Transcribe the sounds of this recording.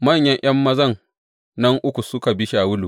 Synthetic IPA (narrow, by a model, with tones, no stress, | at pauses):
mɐ˦˨ɲjɐ˦ɲʔj̰ɐ˦mːɐ˦zɐ˦˨ŋ | nɐ˦ŋʔʊ˦kʷu˨sʊ˦ka˨bɪ˦ʃa˨wʊ˦lu˨